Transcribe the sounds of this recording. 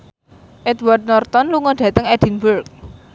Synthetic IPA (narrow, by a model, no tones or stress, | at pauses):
ʔɛd̪ward̪̚nɔrt̪ɔnluŋɔɖ̥ä̤t̪əŋɛd̥i̤nburk̚